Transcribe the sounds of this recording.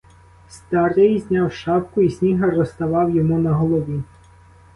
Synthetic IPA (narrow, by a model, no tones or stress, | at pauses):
st̪ɑɾɪjzʲnʲɑwʃɑpkʊisʲnʲiɦɐrɔst̪ɐʋɑwjɔmunɐɦɔlˠɔʋʲi